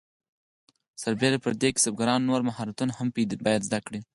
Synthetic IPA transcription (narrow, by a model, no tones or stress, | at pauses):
saɾbeɾapəɾd̪ekɪ̥sab̚ɡaɾɑnːoɾmaɦɑɾat̪unahampid̪bɑjad̪zd̪akɽi